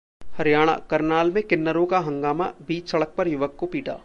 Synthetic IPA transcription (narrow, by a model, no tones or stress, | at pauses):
hɐɾijaːɽ̃a̰kɐɾnaːlmẽkɪnːəɾõkaɦɐ̃ŋɡaːma̰biːt͡ʃsɐɽək̚pɐɾjʊʋəkːopiːʈa̰ː